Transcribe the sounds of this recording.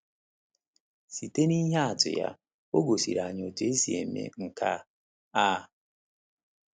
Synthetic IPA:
si˨te˦ni˦ɦa˦˨tʊ̰˨ja̰˨ | o˦ɡo˨sḭ˨ɾa˨ɲ˨ɔ˨de˦si˨ḛ˨mḛ˨ŋ̩˨kʰa˦ | a˦

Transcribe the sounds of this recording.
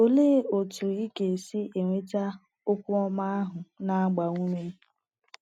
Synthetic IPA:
o˦leː˦o˨tu˨i˦ke˨si˦e˨ŋʷe˦ta˦ | ʊ˦kʷʊ˦ɔ˦ma˦a˦ɦʊ˨na˦a˦ɡ͡ba˨ŋʷu˦me˦

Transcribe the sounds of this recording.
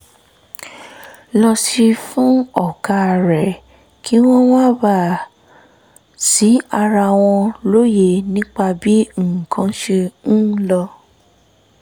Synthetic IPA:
lɔ˧si˧fũ˦ɔ˨ka˧˨ɾɛ˨ | kʰi˨˦w̃ɔ̃˦w̃ã˦˨ba˦˨ | si˨˦a˧ɾa˧w̃ɔ̃˧lo˦je˧˨nĩ˦k͡pa˧bi˨˦ŋ̩˦˨kã˨˦ʃe˧nũ˦lɔ˧

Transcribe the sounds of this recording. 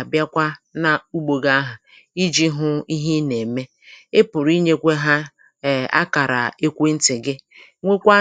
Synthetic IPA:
bja˦kʷa˦na˨u˦ɡ͡bo˨ɡa˦ɦa˨ | i˦d͡ʒi˦ɦʊ˦i˦ɦi˦ne˨me˦ | e˦pʊ˨ɾi˦ɲe˦kʷe˦ɦa˦˨ | a̰˦ka˨ɾa̰˨e˦kʷe˦n̩˦tɪ˨ɡɪ˦ | ŋʷe˦kʷa˦

